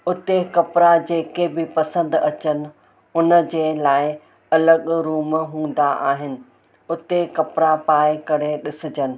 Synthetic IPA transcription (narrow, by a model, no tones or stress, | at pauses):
ʊt̪ekɐpɪɾad͡ʑeːkebɪpɐsə̃nd̪ɐt͡ɕənɪ̆ | ʊnə̆d͡ʑeːlaːɪ | ɐləɠɾuːmɦũːn̆d̪aʔaːɦɪnɪ̆ | ʊt̪ekɐpɪɾapaːɪkɐɽ̤eɗɪsɪd͡ʑənɪ̆